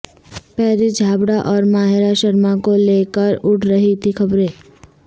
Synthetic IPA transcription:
pɛːɾid͡ʒʱaːbɽaʔɔːɾmaːɦɪɾaʃəɾmakoleːkəɾʊʈʰɾəɦit̪ʰixɐbɾeː

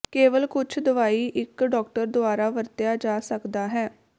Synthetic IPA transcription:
keːʋəlkʊt͡ʃʰd̪əʋaːiːʔɪkɖɔːkʈəɾd̪ʊaːɾaːʋəɾt̪ɪjaːd͡ʒaːsəkd̪aːɦɛː

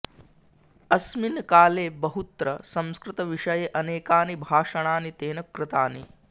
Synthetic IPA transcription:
ɐsminkaːleːbɐɦut̪ɾɐsɐ̃mskɾɪt̪ɐʋiʂɐjeʔɐneːkaːnibʱaːʂɐɳ̃aːnit̪eːnɐkɾɪt̪aːni

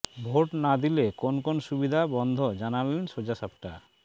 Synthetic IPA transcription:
bʱoʈnad̪ilekonkonoʃubid̪ʱabɔnd̪ʱod͡ʑanalenʃod͡ʑaʃap̚ʈa

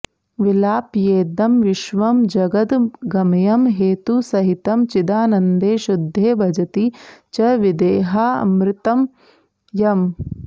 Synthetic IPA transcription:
ʋilaːpjeːd̪ɐmʋɪʃʋɐmd͡ʒɐɡɐd̪ɡɐmɐjɐmɦeːt̪usɐɦit̪ɐmt͡ʃid̪aːnɐnd̪eːʃud̪ʱːeːbʱɐd͡ʒɐt̪it͡ʃɐʋid̪eːɦaːɐ̰mɾɪt̪ɐm | jɐm

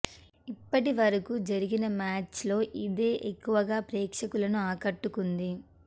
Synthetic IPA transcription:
ipːɐʈiʋɐɾɐkud͡ʒɐɾiɡinɐmaːt͡ʃlo̞ːʔid̪e̞ːʔekːuʋɐɡaːpɾɛːkʂɐkulɐnuaːkɐʈːukund̪i

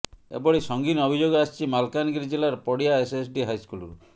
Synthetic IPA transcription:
ḛbɔɽisɔŋɡinɔbʱid͡ʒoɡɔast͡ʃʰimalkanɡiɾid͡ʒelaɾpɔɽijaeses̬ɖiɦajskulɾu

